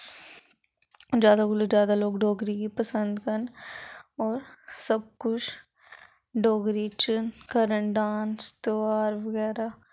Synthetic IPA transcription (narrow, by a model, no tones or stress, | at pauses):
d͡ʒjaːd̪aːɡʊlod͡ʒjaːd̪aːloːɡɖoːɡɾiːkiːpəsənd̪kən | ɔːɾsəb̚kʊt͡ʃʰ | ɖoːɡɾiːt͡ʃkəɾənɖaːnst̪oaːɾʋəɡɛːɾaː